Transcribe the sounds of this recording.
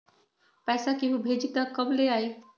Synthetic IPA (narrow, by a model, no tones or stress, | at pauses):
pɛːsakiɦubʱed͡ʒit̪akəbleaːi